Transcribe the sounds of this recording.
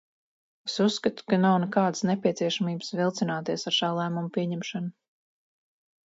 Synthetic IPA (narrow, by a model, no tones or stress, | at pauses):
esusːkat̪u̥kanawnɛkaːd̪snɛpʲiɛt̪siɛʃamiːbsvilˠt̪sinaːt̪iɛsaɾʃaːlˠæːmumpʲiɛɲɛmʃanu